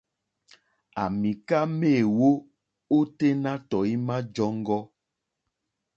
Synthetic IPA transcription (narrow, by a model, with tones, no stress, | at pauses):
a˨mi˨ka˦me˦˨wo˦ | o˦te˦na˦tɔ˨i˦mã˦d͡ʒɔ˦ŋ˦ɡɔ˦